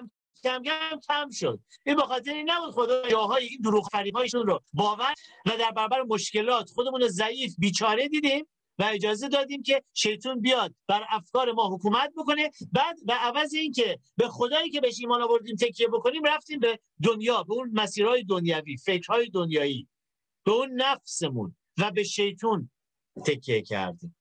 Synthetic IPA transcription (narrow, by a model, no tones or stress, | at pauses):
æmɡæmcʲʰæmʃo̰d̪̥̚ʔiːnbe̞xɒːt̪̬ʰeɾiːnæbuːd̪χxo̞d̪ɒɒːɦɒːjeiːnd̪oɾuːɣfæɾiːhɒːjeʃunɾobɒːvæɾvæd̪æɾbæɾɔːbæɾemo̞ʃce̞lɒːt̪χo̞d̪e̞muːnozæiːfbiːt͡ʃʰɒːɾe̞d̪iːd̪iːm | væe̞d͡ʒɒːze̞d̪ɒːd̪iːmcʰe̞ʃe̞jt̪ʰuːnbijɒːd̪̚bæɾæfkɒːɾe̞mɒːɦokuːmæt̪̚boko̞ne̞bæːd̪væːvæzeiːncʰe̞be̞xo̞d̪ɒːjiːkcʰe̞beeʃiːmɒːnɒːbo̞ɾd̪iːmt̪ʰecʰːijebo̞ko̞niːmræft̪iːmbe̞ | d̪onjɒːbe̞unmæsiːɾhɒːjed̪onjæviːfe̞cɾ̥hɒːjed̪onjɒːiː | b̥e̞uːnːæfse̞mṵn | væbe̞ʃe̞jt̪ʰuːn | t̪ʰekʰːiecʰæ̰ɾd̪ḭːm